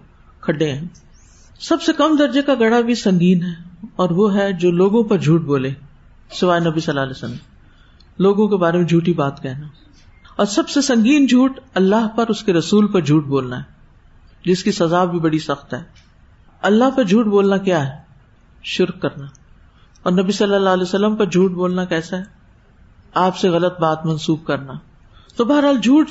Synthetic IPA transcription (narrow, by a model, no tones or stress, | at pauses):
kʰɐɖeɛ̃ː | sɐbsekɐmd̪ɐɾd͡ʒekaɡɐɽabʱisɐ̃ŋɡiːnɦɛːɔːɾʋoɦɛd͡ʒoːloːɡõpɐɾd͡ʒʱuːʈ̚boːlẽː | sɪʋaːenɐbisɐlːaːleːsələm | loːɡõkebaːɾemẽd͡ʒʱuːʈibaːt̪kɛːɦnaː | ɔːɾsɐbsesɐ̃ŋɡiːnd͡ʒʱuːʈɐlːaɦpɐɾʊskeɾɐsuːlpɐɾd͡ʒʱuːʈ̚boːlnaɦɛː | d͡ʒɪskisɐzaːbʱibɐɽisɐxt̪ɦɛː | ɐlːaɦpɐɾd͡ʒʱuːʈ̚boːlnakjaːɦɛː | ʃʊɾkkːɐɾna | ɔːɾnɐbisɐlːəlːaːlɛːsəlːəmpɐɾd͡ʒʱuːʈ̚boːlnakɛːsaɦɛ | aːpseɣɐlət̪̚baːt̪mɐ̃nsuːb̚kɐɾnaː | t̪obɐɦəɾɦaːld͡ʒʱuːʈ